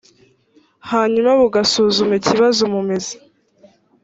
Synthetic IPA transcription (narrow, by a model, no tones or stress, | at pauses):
haːɲumaβuɡasuːzumeciβazomume̞ze̥